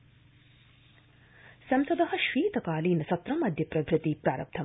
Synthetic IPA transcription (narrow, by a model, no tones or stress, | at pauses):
sɐmsɐd̪ɐɦɐʃʋiːt̪ɐkaːliːnɐsɐt̪ɾɐmɐd̪ʱjɐpɾɐbɾɨt̪ipɾaːɾɐp̚t̪ʰɐ